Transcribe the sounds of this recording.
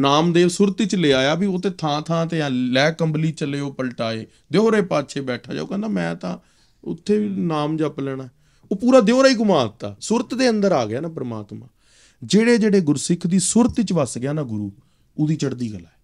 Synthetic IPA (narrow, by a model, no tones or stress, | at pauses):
naːmd̪eːsʊɾt̪ɪt͡ʃleːaːjaːbiot̪eːt̪ʰãːt̪ʰãːt̪eãːlɛːkəmbliːt͡ʃəleːoːpəlʈaːeː | d̪eoːɾeːpaːtːʃʰeːbɛːʈʰa̰ːd͡ʒa̰ːokɛ̃ːnd̪aːmɛ̃ːt̪ã̰ː | ʊ̰t̪ʰːeːiːnaːmd͡ʒaplɛːɽ̃aːɛ | oːpuːɾaːd̪eoːɾaːiːɡʊmaːt̪a̰ːsʊɾt̪d̪eːənd̪əɾaːɡɪjaːnaːpəɾəma̰ːt̪mã̰ː | d͡ʒeːɽeːd͡ʒeːɽeːɡʊɾsɪkʰd̪iːsʊɾət̪t͡ʃʋəsɡɪjaːnaːɡʊɾuː | oːd̪iːt͡ʃəɽd̪iːɡəlaːɛː